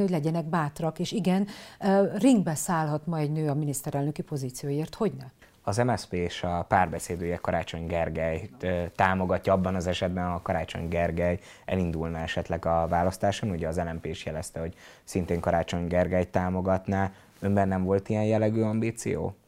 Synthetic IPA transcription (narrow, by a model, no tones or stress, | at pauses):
nioɟʲlɛɟɛnɛɡbaːt̪rɒkeːʃiɡɛn | riŋɡbɛsaːlɦɒt̪mɒɛɟnøːɒminist̪ɛɾɛlnø̞kipo̞ziːt̪sijoːjeːrt̪ho̞ɟnɛ | ɒzɛmɛspeːeːʃɒpaːrbɛseːd̪yjɛkɒɾʔaːt͡ʃo̞ɲɡɛrɡɛjt̪aːmo̞ɡɒcːɒɒbːɒnɒzɛʃɛd̪bɛnɒkɒɾaːt͡ʃo̞̰ɲɡɛrɡɛj | ɛ̰lind̪ulnɒɛʃɛt̪lɛɡɒvaːlɒst̪aːʃonuɟɛːzɛlɛmpeːiʃjɛlɛst̪ɛho̞ɟ | sint̪eːŋkɒɾaːt͡ʃo̞ɲɡɛrɡɛjt̪ːaːmo̞ɡɒt̪naː | ømbɛnːɛɱvo̞lt̪ijɛnjɛlːɛɡøːɒmbiːt̪sḭjo̰ː